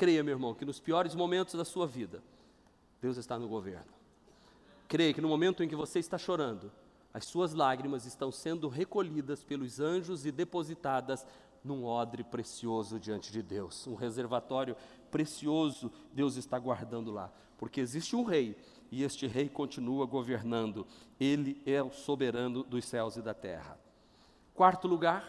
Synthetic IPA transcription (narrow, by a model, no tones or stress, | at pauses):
kɾejɐmewɪɾmɐ̃w̃kɪnʊspiɔɾɪzmomẽnt̪ʊzd̪ɐsuɐvid̪ɐ | d̪̥ewzɪst̪anʊɡovḛɾnʊ | kɾejɐkɪnʊmõmẽnt̪ʊẽk̬ɪvoseɪst̪aʃoɾɐ̃nd̪ʊ | ɐssuɐzlaɡɾimɐzɪst̪ɐ̃w̃sẽnd̪ʊɦekoʎid̪ɐspelʊzɐ̃ʒʊzɪd̪epozit̪ad̪ɐz | nũɔd̪ɾɪpɾesiozʊd͡ʒiɐ̃nt͡ʃɪd͡ʒɪd̪ewsũɦezeɾvat̪ɔɾjʊ | pɾesiozʊd̪ewzɪst̪aɡwaɾd̪ɐ̃nd̪ʊla̰ | poɾkeezist͡ʃɪũɦej | ɪest͡ʃɪɦejkõnt͡ʃinuɐɡoveɾnɐ̃nd̪ʊelɪɛʊsobeɾɐ̃nʊd̪ʊsɛwzɪd̪ɐt̪ɛ̰hɐ̰ | kwaɾt̪ʊluɡaɾ